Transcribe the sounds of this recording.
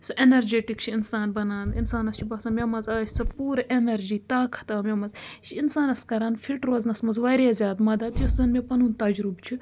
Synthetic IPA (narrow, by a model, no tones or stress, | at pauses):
suʔenɐɾd͡ʒeːʈikt͡ʃʰiinsaːnbɐnaːnḭnsaːnɐst͡ʃʰibɐːsɐnmʲɐmɐzaːsʲt͡sʰɐpuːɾʔenɐɾd͡ʒiːt̪aːkʰɐ̥t̪ɐmʲɐmɐzʃʰiinsaːnɐskɐɾaːnfʰiʈɾoːznɐsmɐzʋɐɾjaːzʲjaːd̪mɐd̪ɐd̪juszɐnmʲepɐnuːnt̪ɐd͡ʒɾubt͡ʃʰi